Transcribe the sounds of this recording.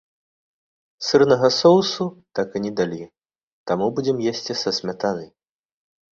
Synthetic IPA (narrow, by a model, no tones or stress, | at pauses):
sɨrnɐɣɐsɔwsut̪akɨnʲɛd̪alʲi | t̪amubud͡zʲɛmjesʲt͡sʲisɐsʲmʲat̪anɨ